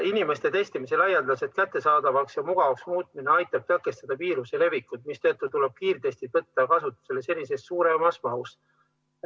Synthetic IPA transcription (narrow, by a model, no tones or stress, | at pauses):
inime̞st̪e̞t̪e̞st̪imise̞lɑjɑnd̪̥ɑse̞t̪̚kæt̪ˑːe̞sɑːd̪̥ɑvɑksjɑmuɡ̥ɑvɑksmuːt̪̚ˑmineɑjt̪ːˑɑb̥̚t̪ɑkːˑe̞st̪ɑd̪̥ɑviːɾusele̞vikːˑut̪mist̪ø̞ːt̪ːˑut̪uleb̥̚kiːrt̪e̞st̪it̪ɤt̪ːɑkɑsut̪ːˑu̥se̞le̞se̞nʲːis̬e̞sːuːɾemɑsmɑus